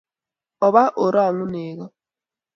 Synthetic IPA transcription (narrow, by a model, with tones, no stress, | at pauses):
ɔ˨βa˦ʔo˨ɾɔ˦˨ŋʊ˦ne˨ɣɔ˦